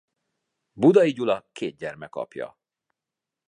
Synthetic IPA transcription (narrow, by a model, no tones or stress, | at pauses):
bud̪ɒiɟulɒkʰeːt̪̚ɟɛrmɛkɒ̰pjɒ̰